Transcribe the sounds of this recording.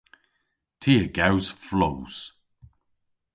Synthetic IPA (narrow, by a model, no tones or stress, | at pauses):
tʰiːəɡawz̥flowz̥